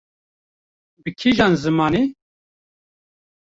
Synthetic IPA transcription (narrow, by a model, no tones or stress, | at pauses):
bɨkʰiʒɑːnzɨmɑːni